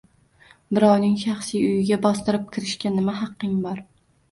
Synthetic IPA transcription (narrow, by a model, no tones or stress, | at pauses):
bɪɾɒwnɪŋʃɑχsijʊjɪɡʲabɒst̪ɪɾɪp̚kʲʰɪɾɪʃkʲanɪmaɦɑqːɪŋbɒɾ